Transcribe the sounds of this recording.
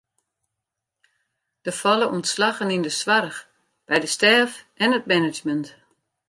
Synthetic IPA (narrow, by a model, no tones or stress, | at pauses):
d̥əfalˠəʔuntslaɣənindəsʋarx | b̥ɛjdəstɛːfʔɛnət̚mɛnɪd͡ʒmənt